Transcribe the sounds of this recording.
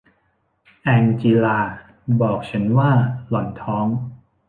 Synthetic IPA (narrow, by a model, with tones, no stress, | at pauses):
ʔɛ˧ŋt͡ɕi˧laː˧ | bɔː˨˩k̚t͡ɕʰa˦˥nwaː˥˩lɔ˨˩˦nt̪ʰɔː˦˥ŋ